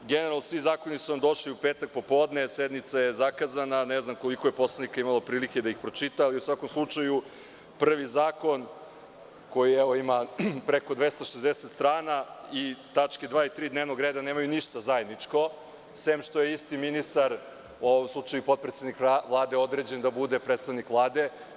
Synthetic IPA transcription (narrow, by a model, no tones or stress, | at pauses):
ɡeneɾalnosʋizaːko̞nisunamd̪o̞ʃliupeːt̪ak̚po̞po̞ːd̪nesed̪mit̪sajezakazananeznamko̞likojepo̞slˠanikaimalˠopɾiːliked̪aixpɾo̞t͡ʂit̪aːliusʋako̞mslˠut͡ʂaju | pr̩ʋizaːko̞n | ko̞jiɛʋo̞imapɾeko̞d̪ʋest̪aʃezd̪eset̪st̪ɾaːnait̪at͡ʃked̪ʋaːit̪ɾiːd̪neːvno̞ɡɾeːd̪ane̞ːmajuniʃt̪azajed̪nit͡ʂko̞ | sʋeːmʃt̪o̞jeist̪iminist̪aɾ | uoʋomslˠut͡ʂajupo̞t̪̚pɾet̪ed̪nikʋlˠaːd̪eo̞d̪ɾed͡ʑend̪abud̪e̞pɾet̪st̪aʋnikʋlˠaːd̪e̞